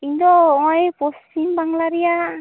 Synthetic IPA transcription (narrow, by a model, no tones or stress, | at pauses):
ind̪ɔŋɔipɔsimbaŋlaɾia